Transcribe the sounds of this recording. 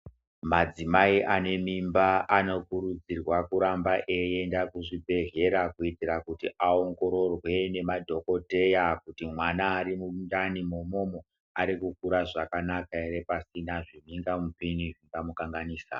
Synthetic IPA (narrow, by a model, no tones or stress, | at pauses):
mad͡zimaiʔane̞mimbaʔano̞kuɾud͡zirwakuɾambaʔejendakuʐibʱe̞ɦe̞ɾakuitirakutiʔao̞ŋɡo̞ɾo̞rwe̞ne̞madʱoko̞te̞jak̚utimwanaːɾimudanimomo̞mo | aɾikuk̚uɾaʐakanakaeɾe̞pasinaʐimiŋɡamupiniʐiŋɡamukaŋɡaniːsa̰